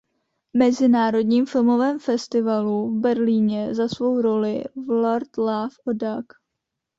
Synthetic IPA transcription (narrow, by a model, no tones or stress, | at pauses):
mɛzɪnaːɾo̞dɲiːmfɪlmo̞vɛːmfɛst̪ɪvaluvbɛɾliːɲɛzasvo̞wɾo̞lɪvloɾt̪lafʔodak